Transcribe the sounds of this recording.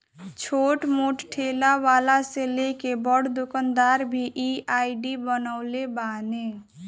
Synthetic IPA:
t͡ʃʰoʈmoʈʈʰelaʋalaselekebəɽd̪ukənd̪aɾbʱiʔiaiɖibənəʊlebane

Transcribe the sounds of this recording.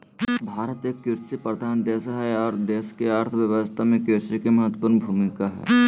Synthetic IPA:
bʱaːɾət̪ekkɪɾsipɾəd̪ʱaːnd̪eːsɦɛɔːɾd̪eːskeaɾt̪ʰəʋjɐʋəst̪ʰamẽkɪɾsikemɐɦət̪ːəpʊɾnbʱuːmɪkaɦɛ̰ː

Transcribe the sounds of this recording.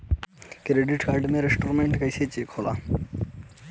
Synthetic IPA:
kɾeɖiʈkaɾɖeneɾesʈoɾmeɳʈkɐjset͡ɕekʰola̰

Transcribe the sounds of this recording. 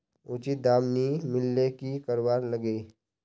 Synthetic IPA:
ʊt͡ʃit̪̚d̪aːmnimɪlːekikəɾʋaːɾləɡe

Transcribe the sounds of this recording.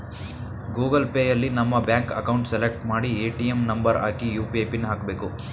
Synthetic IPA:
ɡuːɡɐlpeːjɐlːinɐmːɐbjaːŋkɐ̰kɐwɳʈselek̚ʈmaːɽieːʈijemnɐmbɐɾa̰ːkijuːpiejpinːɐɦaːkbe̞ːku

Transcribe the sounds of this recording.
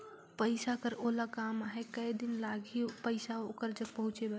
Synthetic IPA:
pəɪsakəɾolakamaɦekəjd̪inlaɡʱipəɪsaokəɾd͡ʒəɡ̚pəɦũt͡ʃeba

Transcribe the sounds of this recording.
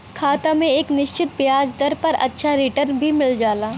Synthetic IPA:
kʰaːt̪amẽeːknɪʃt͡ʃɪt̪̚bjjaːd͡ʒd̪ɐɾpɐɾɐ̰tːʃʰaɾɪʈəɾnbʱimɪld͡ʒaːlaː

